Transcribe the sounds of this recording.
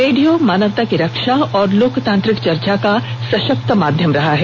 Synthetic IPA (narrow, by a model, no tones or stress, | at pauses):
ɾeːɖijomaːnəʋt̪akiɾɐkʃaɔːɾloːkt̪ãːnt̪ɾɪkt͡ʃɐɾt͡ʃakasɐʃək̚t̪əmaːd̪ʱjəmɾɐɦaɦɛː